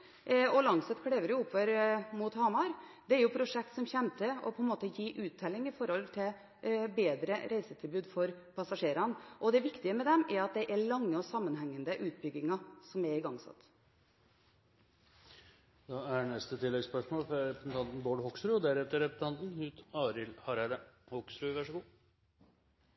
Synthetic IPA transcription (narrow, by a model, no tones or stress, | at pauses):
ɔlɑŋsɛt̪kʰɽeːʋəɾjʊʊpːʋəɾmut̪hɑːmɑɾd̪ɛɛɾjʊpʰɾʊʂɛk̚t̪sɔmçɛnt̪ʰəɔ̰pʰɔɛnmoːt̪əjiːʔʉːt̪ʰːɛlɪŋɪfɔɾɔlt̪ʰɪl | beːd̪ɾəɾʔæɪsət̪ʰɪlbʉːd̪fɔɾpʰɑsɑʂeːɾɑnʔɔd̪ɛʋɪkt̪ɪəmɛd̪ɛmɛɾɑt̪̚d̪ɛʔɛɭɑŋːəɔsɑmːənhɛŋːənd̪əʔʉːt̪̚bʏɡɪŋɑsɔmɛɾɪɡɑŋsɑ̰t̪ː | d̪̥ɑænɛst̪ət̪ʰɪlːɛɡspœʂmoːlfɾɑɾɛpɾɛsnt̪ʰɑnt̪n̩boːɖhɔkst̪ɾʉːɔd̪æɾɛt̪əɾɛpɾəst̪ʰɑnt̪n̩hʉːt̪ɑːɾɪlhɑɾæd̪əhɔkst̪ɾʉːʋæʂɔɡuː